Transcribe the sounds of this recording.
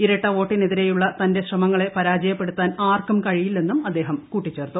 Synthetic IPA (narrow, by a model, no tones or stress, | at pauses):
iɾɐʈːɐʋo̞ːʈːineðiɾe̞juɭːɐt̪ɐnde̞ɕrɐmɐŋːɐɭe̞pɐɾaːd͡ʑɐjɐpːe̞ɽut̪ːaːnaːrkɐmkɐɻijilne̞nːumɐd̪ːe̞ːɦɐmkuːʈːit͡ɕːe̞ːrt̪ːu